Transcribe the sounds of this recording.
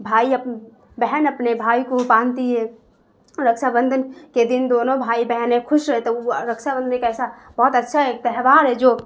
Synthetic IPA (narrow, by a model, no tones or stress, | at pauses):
bʱaːiəp | bɛɦənəpnebʱaːikopaːnt̪iɦɛ | ɾəkʃʰabənd̪ʱənked̪ind̪onobʱaibəɦɛnekʰʊʃɾəɦẽt̪ɔɾəkt͡ʃʰabə̃nd̪ənkɛsabɔɦut̪ətːʃʰaɦet̪əɦʋaɾɦɛd͡ʒo